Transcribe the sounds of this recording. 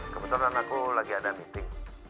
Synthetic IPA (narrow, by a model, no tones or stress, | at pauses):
kəbət̪uɾanakulaɡiadamint̪ɪŋ